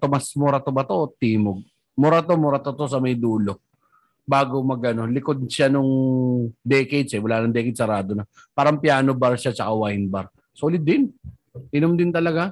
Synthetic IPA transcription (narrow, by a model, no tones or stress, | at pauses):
t̪omɐsmoɾɐt̪obɐt̪o̞t̪iːmoɡ̚ | mʊɾɐt̪omʊɾɐt̪ot̪o̞s̬ɐmɐjd̪uːlo̞ | baːɡo̞mɐɡʔɐno̞lɪkod̪̚ʃanʊŋ | d̪ɛked̪sɛwɐlaːnɐŋd̪ɛkɪsɐɾaːd̪onɐ | paːɾɐmpjaːnobaɾʃat͡ʃɐkawajnbaɾ | solɪd̪ɪn | ʔɪnomd̪ɪnt̪ɐlɐɡa